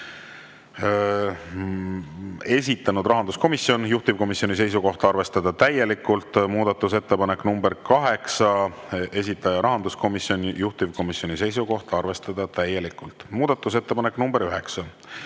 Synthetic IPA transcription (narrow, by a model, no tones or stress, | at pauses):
e̞s̬ʲit̪ːˑɑnud̪rɑɦɑnd̪usko̞misjo̞njuht̪iv̥ko̞misjo̞nis̬e̞js̬uko̞ht̪ɑrve̞st̪ɑd̪̥ɑt̪æje̞likːˑult̪muːd̪̥ɑt̪ːuse̞t̪ːe̞pɑne̞knumbe̞ɾkɑɦe̞ksɑ | e̞s̬ʲit̪ːˑɑjɑɾɑɦɑnd̪usko̞misjo̞njuht̪ivko̞misjo̞nise̞js̬uko̞ht̪ɑrve̞st̪ɑd̪̥ɑt̪æje̞likːˑult̪ˑmuːd̪̥ɑt̪ˑːus̬e̞t̪ːe̞pɑnekːnumb̥e̞ɾyɦe̞ksɑ